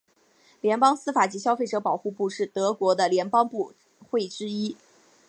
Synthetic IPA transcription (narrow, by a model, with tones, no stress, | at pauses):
ljɛ˧˥npɑ˥ŋsɹ̩˥fa˨˩t͡ɕi˧˥ɕjɑ˥ʊfe˥˩ɪʈ͡ʂɤ˧˥pɑ˨˩ʊxu˥˧pu˥˧ʂɻ̩˥˩t̪ɤ˧˥kwɔ˧˥d̪ə˧ljɛ˧˥npɑ˥ŋpu˥˧ | xwe˥˩ɪʈ͡ʂɻ̩˥i˥